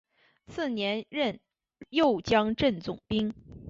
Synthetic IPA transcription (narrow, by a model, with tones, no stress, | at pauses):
sɹ̩˥˩njɛ˧˥nɻə˥˧n | jo˥˩ʊt͡ɕjɑ˥ŋʈ͡ʂə˥˩nt͡sʊ˨˩ŋpi˥ŋ